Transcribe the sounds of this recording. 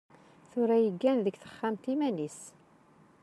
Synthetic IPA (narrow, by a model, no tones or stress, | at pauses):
θʊɾæjəɡːænðəɡθə̥χːamt̪imænis